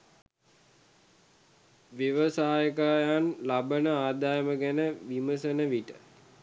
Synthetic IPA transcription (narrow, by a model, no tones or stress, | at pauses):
ʋjeʋəsaːjəkaːjanlabənəaːd̪ajəməɡænəʋiməsənəʋiʈə